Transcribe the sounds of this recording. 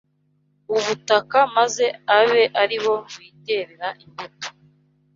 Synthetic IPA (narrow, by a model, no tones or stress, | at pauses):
uβutakamaze̞aβe̞ʔaɾiβo̞mwiːte̞ɾeɾaʔimbeto̥